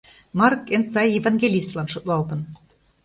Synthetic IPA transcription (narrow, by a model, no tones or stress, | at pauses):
mɑrkent͡sɑjevɑnɡʲelʲist̪lɑnʃŏt̪lˠɑlt̪ɤ̆n